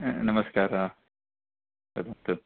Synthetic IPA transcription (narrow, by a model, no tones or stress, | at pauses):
nɐmɐskaːɾaː | ɐ̰d̪ɐnt̪ɨ